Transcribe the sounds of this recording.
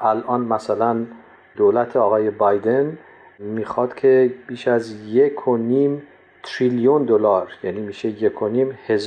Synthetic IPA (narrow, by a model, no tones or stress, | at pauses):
ʔælʔɒːnmæsælæn | d̪̥oːlæt̪ʰeɒːɣɒːje̞bɒjd̪e̞n | miːxɒːd̪̥cʲʰe̞b̥iːʃæzjekʰoniːm | t̪ʰɾiljund̪olɒːɾjæniːmiːʃe̞jekʰoniːmhez